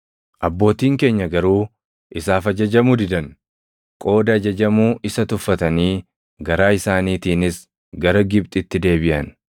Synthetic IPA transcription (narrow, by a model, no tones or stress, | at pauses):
ʔɐbːo̞ːt̪iːŋke̞ːɲːɐɡɐɾuː | ʔɪsaːfɐd͡ʒɐd͡ʒɐmud̪ɪd̪ɐn | kʼo̞ːd̪ɐːd͡ʒɐd͡ʒɐmuːʔɪsɐt̪ʊfːɐt̪ɐniː | ɡɐɾaːɪsaːniːt̪iːnɪs | ɡɐɾɐɡɪb̚t̪ʼɪt̪ːɪd̪e̞ːbɪʔɐ̰n